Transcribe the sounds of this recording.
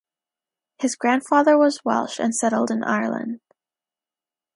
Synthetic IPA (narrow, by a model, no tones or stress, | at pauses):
hɨzɡɹæ̃nd̥fɑðə˞wʌzwɛ̰lˠʃɨ̰̃nsɛɾl̩ˠdɨ̃nʔa̰ɪə̰˞lˠə̰̃nd̥